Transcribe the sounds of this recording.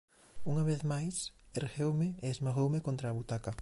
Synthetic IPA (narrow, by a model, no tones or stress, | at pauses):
uŋɐβeθmajseɾɣewmɪeezmaɣowmɪkõnt̪ɾaːβut̪akɐ